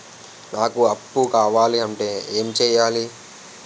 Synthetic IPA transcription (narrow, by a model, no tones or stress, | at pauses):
naːkuɐpːukaːʋaːliɐɳʈe̞ːeːmt͡ʃɛːjaːli